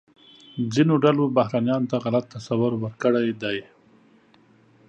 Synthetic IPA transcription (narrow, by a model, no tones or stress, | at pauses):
d͡zinoɖalobaɦɾɑnjɑnot̪aɣalat̪ːasawʊɾwəɾkəɽajd̪aj